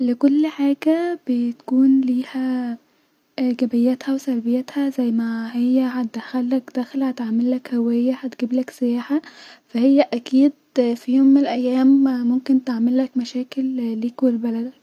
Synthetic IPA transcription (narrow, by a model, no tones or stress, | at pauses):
lekolːħaːɡæbet̪kuːnliːhæ | ʔæɡæbejːæt̪hæwesælbejːæt̪hæzæjːmæhejːæhæt̪̚d̪æxælːækd̪æxlhæt̪ʕaʕmelːækhæwæjːæhæt̪ɡiːblæksejaːħafæhejːæʔækiːd̪̚fijoːmːenelʔæjːæːmmomkent̪eʕmelːækmæʃæːkelːiːkwelbælæd̪k